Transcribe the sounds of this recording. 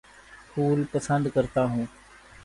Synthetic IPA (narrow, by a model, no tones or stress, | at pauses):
pʰuːlpəsə̃nd̪kəɾt̪aːɦũː